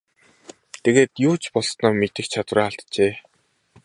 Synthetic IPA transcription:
t̪ʰeɣeːt̪jʊːt͡ɕpɔɮsnɔːmet̪ɘ̆xt͡ɕʰat̪wraːaɬt̪t͡ɕeː

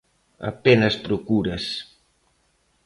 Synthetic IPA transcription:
ɐ̰penɐspɾokuɾɐs

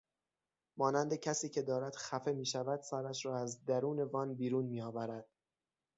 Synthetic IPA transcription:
mɒːnænd̪e̞cʰæsiːcʰe̞d̪ɒːɾæd̪̥xæfe̞miːʃævæd̪sæɾæʃɾɒːæzd̪æɾuːne̞vɒːnbiːɾuːnmiːɒːvæɾæd̪̥

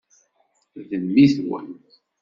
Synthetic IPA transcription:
ðəmːiθwə̰n

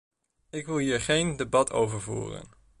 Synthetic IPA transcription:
ɪkʋɪlˠɦiːɹχejndebɑtʰo̰wvəɹvṵːrə̰n

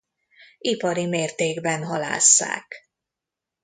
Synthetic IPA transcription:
ipɒɾimeːrt̪eːɡbɛnɦɒla̰ːsːa̰ːk

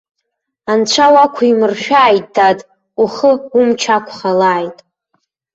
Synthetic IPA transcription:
ant͡ɕʷʰawakʷʰaimɨrʃᶣaːjtʼdadʼ | uχəumt͡ʃʰakʷʰχalaːjtʼ

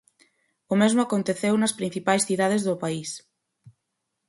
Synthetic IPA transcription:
ʊmezmʊakont̪eθewnɐspɾĩn̟θipajsθiðað̞ezðʊpais

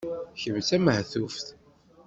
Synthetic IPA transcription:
çəvt͡sæməhθufθ

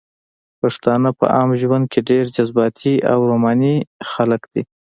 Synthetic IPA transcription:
paʂt̪ɑnəpə̰ʔɑmʒwand̪̚kʰeɖeɾd͡ʒazbɑt̪ʰia̰wɾomɑnixaləkd̪̥i

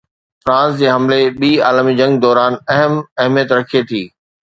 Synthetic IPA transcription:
fɾãːsd͡ʑeːɦɐmleɓiːaːlmid͡ʑɐ̃ŋɡ̚d̪ɔːɾaːnɛɦəmɐɦmijət̪ɾɐkʰiet̪ʰiː

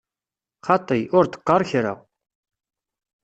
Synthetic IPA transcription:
χɑt̪ˤijʊɾt̪ə̥qːɑɾˤçɾa̰w

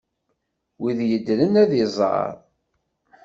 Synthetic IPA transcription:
wiðjəd̪ːlənæðizˤɑ̰ɾˤ

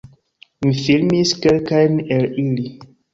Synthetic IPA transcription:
mifilmiskelkajnelili

